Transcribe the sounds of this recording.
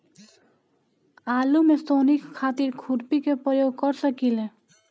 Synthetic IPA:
aːlumest̪oːnikkʰaːt̪iɾkʰʊɾpikepɾəjoːɡ̚kəɾsəkile

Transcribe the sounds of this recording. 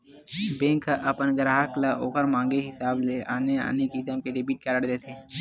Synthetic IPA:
bẽːŋkʔɐpənɡəɾaːɦəklaʔoːkəɾmãːŋɡeɦɪsaːblea̰ːnea̰ːnekisəmkeɖɪbiːʈ̚kəɾəɽd̪eːt̪ʰeː

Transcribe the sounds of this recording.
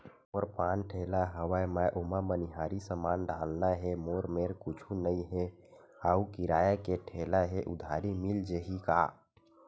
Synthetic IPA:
moɾpãːnʈʰelaɦəwəjməʔomaməniɦaːɾisəmaːnɖʱaːlnaɦɛmoːɾmeɾkʊt͡ʃʰunəĩɦe | haːukiɾaːjakeʈʰeːlaɦeʔʊd̪ʱaːɾimild͡ʒeɦika̰ː

